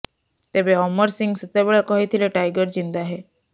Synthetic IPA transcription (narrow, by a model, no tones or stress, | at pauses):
t̪ebeɔməɾsiŋɡsət̪abeɭakɔɦit̪ʰileʈajɡəɾd͡ʑind̪aɦe